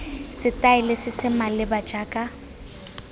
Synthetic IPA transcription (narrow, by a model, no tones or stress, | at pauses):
sɪtʼaɪlɪsɪsɪmalɪbḁd͡ʒʼaːkʼa